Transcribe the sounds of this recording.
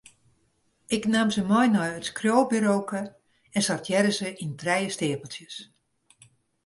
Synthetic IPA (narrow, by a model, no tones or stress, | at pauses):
ɪknamzəmɔjnɔjətskrjoːbyɾowkə | ɛnsartʰjɛɾəzəʔintrɛjəstɪːəpəlˠsjəs